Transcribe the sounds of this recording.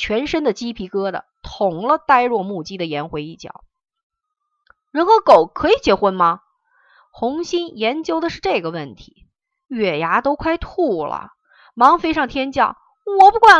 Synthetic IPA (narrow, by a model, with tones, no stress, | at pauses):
t͡ɕʰɥɛ˧˥nʂə˥nd̪ə˨t͡ɕi˥pʰi˧˥kɤ˥d̪ə̰˨˩t̪ʰʊ˧˥ŋlə˧t̪a˥˧ɪɻwɔ˥˧mu˥˩t͡ɕi˥d̪ə˨jɛ˧˥nxwe˧˥ɪi˥˩t͡ɕjɑ̰˨˩˦ʊ | ɻə˧˥nxɤ˧˥ko˨˩ʊkʰɤ˧˥i˨˩t͡ɕjɛ˧˥xwə˥nmɐ˨ | xʊ˧˥ŋɕi˥njɛ˧˥nt͡ɕjo˥ʊd̪ə˨ʂɻ̩˥˧ʈ͡ʂɤ˥˩ɡə˩wə˥˩nt̪ʰi̥˧˥ | ɥɛ˨˩ja˧˥t̪o˥ʊkʰwa˥ɪt̪ʰu˥˩lə̰˩ | mɑ˧˥ŋfe˥ɪʂɑ˥˩ŋt̪ʰjɛ˥nt͡ɕjɑ˥˩ʊ | wɔ˨˩pu˥kwa˥˩